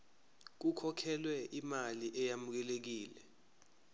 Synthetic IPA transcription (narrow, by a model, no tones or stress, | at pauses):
k̬ukʰɔkʰɛlwɛʔimaliʔɛjamuk̬ɛlek̬iːlɛ